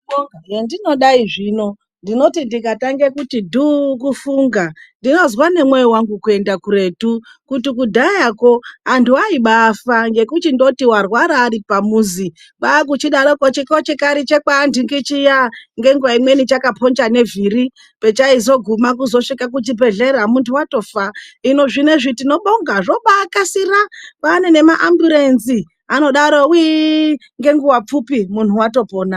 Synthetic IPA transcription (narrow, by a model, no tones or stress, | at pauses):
jendino̞ɗaiʐiːno̞ | ndino̞tindikataŋɡekutidukufuːŋɡandino̞zwane̞mwe̞jiwaŋɡukue̞ndakuɾe̞tu | kutikudʱajako̞antʰuaiɓafaŋɡe̞kutindo̞tiwarwaɾaːripamuːzi | ɓak̬ut͡ʃiɗaɾokot͡ʃikot͡ʃekaɾit͡ʃekandiŋɡit͡ʃijaŋɡe̞ŋɡuwaimwe̞nit͡ʃakapʰond͡ʒane̞viɾi | pe̞t͡ʃaizo̞ɡʱumak̬uzo̞ʂikak̬ut͡ʃibʱeɮeɾamuntuwato̞faino̞ʐineʐitino̞ɓoŋɡaʐoɓakasiɾapane̞ne̞maʔambjuɾenzi | ano̞ɗaɾowi | ŋɡe̞ŋɡuwap͡fupimun̤uwato̞poːna